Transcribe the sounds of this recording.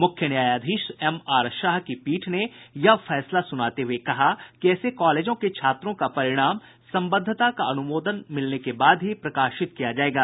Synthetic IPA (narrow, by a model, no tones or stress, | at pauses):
mʊkʰjənjaːjaːd̪ʱiːʃɛmaːɾʃaːɦkipiːʈʰnejɐfɛːslasʊnaːt̪eɦuekɐɦakiɛːsekaːleːd͡ʒõket͡ʃʰaːt̪ɾõkapɐɾɪɽ̃aːm | sɐ̃mbəd̪ʱːət̪akaɐnʊmoːd̪ənmɪlnekebaːd̪ɦipɾɐkaːʃɪt̪kijad͡ʒaːeːɡaː